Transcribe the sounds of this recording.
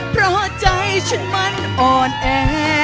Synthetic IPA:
pʰɾɔ˧t͡ɕa˧ht͡ɕʰɯ˧˥˨nma˧˥n | ʔɔː˧˩nʔɛː˧˩ɦɛ˧

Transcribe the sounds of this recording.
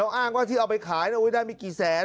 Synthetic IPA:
wʔaː˥˩ŋwaː˥˩t̪ʰiː˥˩ʔwpa˧jkʰaː˩˦jna˦˥˩wdaː˥˩jmiː˧kiː˨˩sɛː˨˩˦

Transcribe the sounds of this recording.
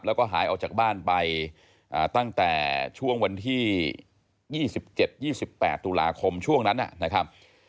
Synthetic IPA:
p̚lɛː˦˥wkɔː˥˩ɦa̰ː˩˦jʔa˧wt͡ɕaː˨˩k̚baː˥˩npa˧j | ʔaː˨˩t̪a˥˩ŋt̪ɛ̰ː˨˩t͡ɕʰu˥˩əŋwa˧nt̪ʰiː˥˩ | jiː˥˩si˨˩p̚t͡ɕe˨˩t̪̚jiː˥˩si˨˩pːɛ̰ː˨˩t̪ːu˧la̰ː˧kʰo˧mt͡ɕʰu˥˩əŋna˦˥nʔa̰˨˩na˦˥kʰɾa˦˥p̚

